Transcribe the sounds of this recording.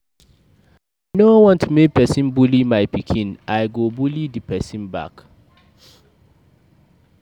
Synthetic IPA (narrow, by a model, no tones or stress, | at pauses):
nowɔ̃ntʰumek̚pɛsĩnbulimaɪpikʰĩnaɪɡobulidipʰɛsĩnba̰k